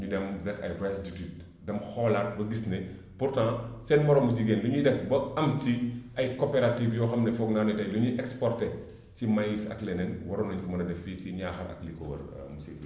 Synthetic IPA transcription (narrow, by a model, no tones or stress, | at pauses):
ɲudɛmrɛkɐ̰jvɛsditit̚ | dɐmxɔːlarbɐɡisnɛ | purtãsɛːnmɐɾɔmuɟiɡeːnduɲudɛfbɐɐmtiʔɐjkopeɾatifjɔːxɐmnɛfɔɡnaːnutɐjluɲuʔɛkspɔrtɛ | cimajisɐ̰klɛnɛnwɐɾɔnɐɲkɔmɐnɐdɛfiːciɲaːxɐɾɐ̰kliko̰wɐ̰r̰ | musi